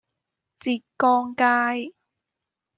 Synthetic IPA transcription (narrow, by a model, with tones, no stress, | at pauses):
t͡siː˨˩t̚kɔː˧˥ŋkaː˥j